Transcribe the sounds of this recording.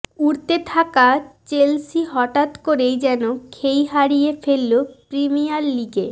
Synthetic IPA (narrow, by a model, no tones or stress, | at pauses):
uɾt̪et̪ʰakat͡ɕelsiɦɔʈat̪koɾejd͡ʑɛnokʰejɦaɾijefelːopɾimijalːiɡe